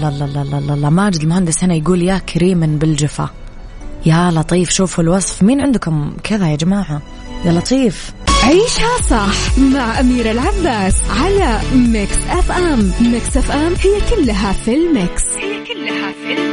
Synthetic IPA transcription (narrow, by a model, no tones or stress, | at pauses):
lalˤːɑlːɑlːɑlːɑlˤːɑmaːd͡ʒɪd̪ɪlmʊhand̪ɪshɪnajɡuːljaːkɾiːmɪnbɪld͡ʒɪfa̰ | jalɑt̪ˤiːfʃuːfulwɑsˤfmiːnʕɪnd̪kʊmkʰɪðajad͡ʒamaːʕa | jalɑt̪ˤiːf | ʕiːʃhasˤɑħmaʕʔamiːɾɪlʕabːaːsʕalamɪksʔafʔammɪksʔafʔamhɪjːakʊlːɦafɪlmɪkshɪjːkʊlːhaɪ